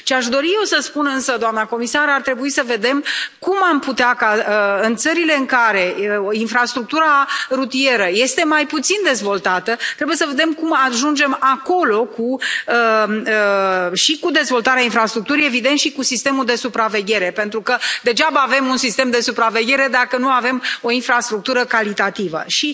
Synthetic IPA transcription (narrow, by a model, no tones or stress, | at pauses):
ʃiaʃd̪o̞ɾije̞wsəspunɨnsəd̪oamnako̞misaɾart̪ɾe̞buisəve̞d̪e̞mkumamput̪eakaəɨnt̪səɾile̞ɨŋkaɾe̞infɾast̪ɾuk̚t̪uɾaɾut̪ije̞ɾəje̞st̪e̞majput̪sind̪e̞zvo̞lt̪at̪ət̪ɾe̞buje̞səve̞d̪e̞mkumaʒund͡ʒe̞mako̞lo̞kuəəʃikud̪e̞zvo̞lt̪aɾeainfɾast̪ɾuk̚t̪uɾije̞vid̪ent̪ʃikusist̪e̞muld̪e̞supɾave̞ɡʲe̞ɾe̞pe̞nt̪ɾukəd̪e̞d͡ʒabəaːve̞munsist̪e̞md̪e̞supɾave̞ɡʲe̞ɾe̞d̪akənuave̞mo̞infɾast̪ɾuk̚t̪uɾəkalit̪at̪ivə̰ʃi